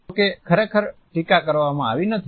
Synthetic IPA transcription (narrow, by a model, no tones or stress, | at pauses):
kekʰəɾekʰəɾʈikakəɾʋamãa̰ʋinət̪ʰ